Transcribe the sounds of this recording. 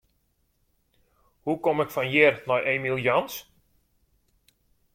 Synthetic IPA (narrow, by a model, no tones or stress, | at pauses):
hukomɪkfanjɪrnɔjʔeːmilˠjɔns